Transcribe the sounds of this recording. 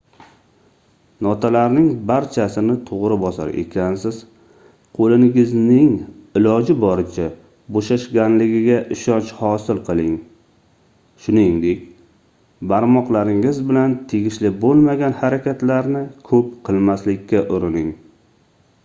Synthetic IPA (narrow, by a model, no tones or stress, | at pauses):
nɒt̪ʰalaɾnɪŋbaɾt͡ʃʰasɪnɪt̪ʰoʁɾɪbɒsa̰ɾe̞̰kʲʰansɪz̥ | qʰolɪnɪɡɪznɪŋɪlɒd͡ʒɪbɒɾɪt͡ʃʰa | boʃaʃɡʲanlɪɡʲɪɡʲaʔɪʃɒnt͡ʃhɒsɪlˠqʰɨlˠɪŋ | ʃʊnɪŋd̪ekʲ | baɾmɒqlˠaɾɪŋɪzbɪlant̪ʰeɡʲɪʃlɪbolˠmaɡʲanhaɾakʲʰat̪laɾnɪkʰɵp̚qʰɨlˠmaslɪkʲʰːaʔʊɾɪnɪŋ